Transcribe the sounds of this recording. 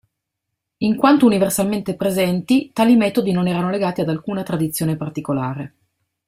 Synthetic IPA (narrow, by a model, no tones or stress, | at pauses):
iŋkwant̪ouniversalment̪epɾezɛnt̪it̪aːlimɛːt̪od̪inonɛːɾanoleɡaːt̪iad̪alkuːnat̪ɾad̪it̪sːjoːnepart̪ikolaːɾe